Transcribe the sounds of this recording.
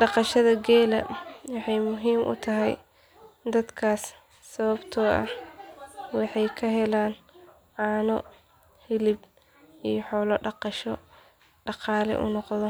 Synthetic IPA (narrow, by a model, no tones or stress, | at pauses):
ɖɑqɑʃɐðɐɡɛːlɐ̰wɑħɑjmʊɦiːmʔʊ̰t̪ʰɐɦɛj | d̪ɐd̪kʰaːsː | ɐβɐbt̪ʰɔːɐ̰h | wɑħɑjkʰɐɦɛlaːn | ʕɑːnɔ | hɪlɪb | ijɔħɔːlɔɖɑqɑʃɔ | ɖɑqɑːlɛ̰ʔʊ̰nɔqðɔ